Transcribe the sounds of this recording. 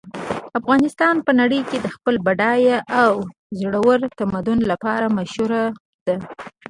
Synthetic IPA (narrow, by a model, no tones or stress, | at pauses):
afɣɑnɪst̪ɑnpənaɽəjked̪əxpəlbaɖɑjaʔaw | zɽawəɾt̪amad̪ʊnlapɑɾamaʃhuɾa | d̪̥a